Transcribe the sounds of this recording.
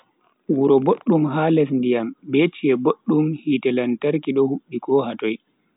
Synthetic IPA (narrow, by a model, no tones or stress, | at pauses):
wuɾɔboɗːumɦaːlɛsndijambet͡ʃiɛboɗːumhitɛlantaɾkiɗɔhuɓːikɔɦatɔj